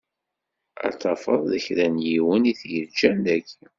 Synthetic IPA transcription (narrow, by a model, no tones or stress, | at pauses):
æ̰t͡sːɑfəðˤðəçɾænjiwəniθjəɾd͡ʒænd̪ækʰːi